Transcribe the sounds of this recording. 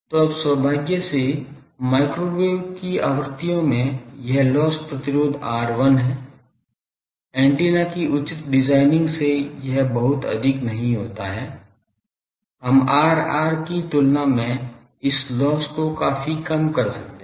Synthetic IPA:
t̪oɐbswəbʱaːɡjəse | maːɪkɾoːbeːkiaːʋəɾt̪ijõmẽjɛɦlɔːspɾɐt̪ɪɾoːd̪ʱaːɾʋɐnɦɛ̃ː | ɛ̃ːɳʈeːnakiʔʊt͡ʃɪt̪ɖɪzaːɪnɪ̃ŋɡsejɛɦbɐɦʊt̪ɐ̰d̪ʱɪknɐɦĩɦoːt̪aɦɛː | ɦɐmaːɾa̰ːɾkit̪ʊlnamẽ | ɪslɔːskokaːfikɐmkɐɾsɐk̚t̪e

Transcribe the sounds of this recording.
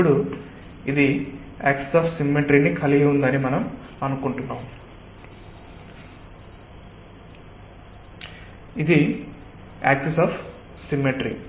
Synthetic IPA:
ɽu | id̪i | a̰ːkse̥saːpʰsimːeʈɾinikʰɐliɡɐund̪ɐnimɐnɐm | ɐnukuɳʈunːaːm | id̪i | aːksesaːp | simːeʈɾḭ

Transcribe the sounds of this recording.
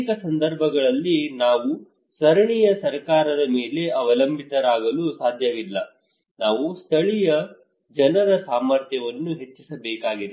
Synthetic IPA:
kɐsɐnd̪ɐɾbʱɐɡɐɭɐlːinaːʋu | sɐɾɐɳijɐsɐɾkaːɾɐd̪ɐmeːle̞ɐʋɐlɐmbʱit̪ɐɾaːɡɐlusaːd̪ʱjɐʋilːɐ | naːʋust̪ʰɐɭijɐ | d͡ʒɐnɐdɐsaːmɐɾt̪jɐʋɐnːuɦe̞t͡ʃːisɐbɛːkaːɡid̪e

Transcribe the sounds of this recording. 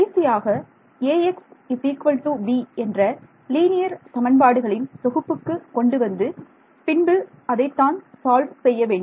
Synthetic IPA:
ɐɪsɪjaːɣɐ | eːɛksɪsiːkʋɐlʈuːʋiːɛndrɐ | liːnɪjɐɾt̪ɐmɐnpaːɽɯɣɐɭɪnt̪ɔɣɯpːɯkːɯkɔɳɖɯʋɐnd̪ɯ | pɪɳbɯ | ɐðɐɪt̪ːaːnsaːlʋsɛjːɐʋeːɳɖɯm

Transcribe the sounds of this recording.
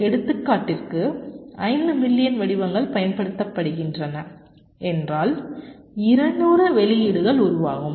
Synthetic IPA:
ɛɽɯt̪ːɯkːaːʈːɪrkɯɐɪnd̪ɯmɪlːɪjɐnʋɐɽɪʋɐŋɡɐɭpɐjɐnpɐɽɯt̪ːɐpːɐɽɯɣɪndrɐnɐ | ɛndraːl | ɪɾɐɳːuːrɯʋɛlɪjɪɽɯɣɐɭʊɾʊʋaːɣɯm

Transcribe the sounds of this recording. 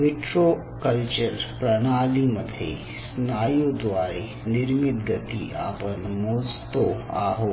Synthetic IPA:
mɪʈɾo | kəlt͡ʃəɾpɾɐnaːliməd̪ʱḛ | snaːjod̪ʋaːɾe | nɪɾmɪd̪ɡət̪ḭʔa̰ːpənmoːd͡ʒt̪oa̰ːɦoː

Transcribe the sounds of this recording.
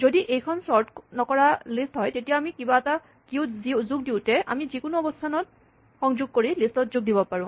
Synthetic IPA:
zodiʔejkʰɔnsɔɹtnɔkɔɹalistɦɔjtetijaːmikibaɛta | kiʊzizuɡ̚diʊtɛʔa̰mizikʊnʊɔbɔstʰanɔt̚ | xɔŋzʊɡ̚koɹilistɔtzuɡ̚dibɔpaɹʊ̃

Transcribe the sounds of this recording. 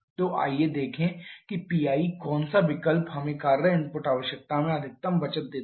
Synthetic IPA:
t̪oʔa̰ːjed̪eːkʰẽkipiːaːikɔːnsaʋɪkəlpɦɐmẽkaːɾːɐɦɛɪ̃npoːʈaːʋəʃjək̚t̪amẽɐd̪ʱɪk̚t̪əmbɐt͡ʃət̪̚d̪eː

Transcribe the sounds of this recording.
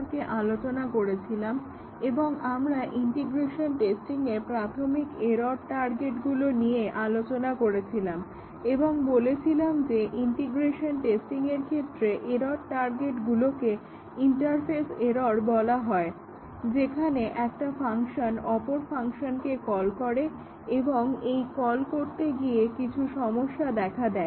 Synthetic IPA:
ɾkeʔalot͡ɕonakoɾet͡ɕʰilam | eboŋamɾaʔiɳʈiɡɾeʃonʈesʈiŋepɾat̪ʰomikeɾoɾʈaɾɡeʈɡulonijeʔalot͡ɕonakoɾet͡ɕʰilam | eboŋbolet͡ɕʰilamd͡ʑeʔiɳʈiɡɾeʃonʈesʈiŋeɾkʰet̪ːɾeʔeɾoɾʈaɾɡeʈɡuloke | iɳʈaɾfʰeseɾoɾbɔlaɦɔe | d͡ʑekʰaneʔɛkʈafʰaŋʃonɔpoɾfaŋʃonkekɔlkɔɾe | eboŋejkɔlkoɾt̪eɡiekit͡ɕʰuʃɔmoʃːad̪ɛkʰad̪ɛe

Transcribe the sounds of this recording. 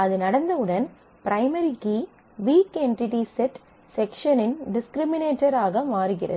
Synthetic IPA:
ɐðɯnɐɽɐnd̪ɐɯɽɐn | pɪɾɐɪmɐɾikːɯ | ʋiːkeɳʈɪʈisɛʈ | sɛkʂɐnɪnɖɪskɾɪmɪneːʈːɐɾaːɣɐmaːɾɯɣɪrɐ̰ðɯ

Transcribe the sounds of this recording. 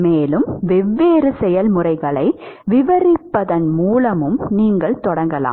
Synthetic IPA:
meːlɯmʋɛʋːeːɾɯsɛjɐlmʊrɐɪɣɐɭɐɪʋɪʋɐrɪpːɐðɐnmuːlɐmɯmniːŋɡɐɭt̪ɔɽɐŋɡɐla̰ː

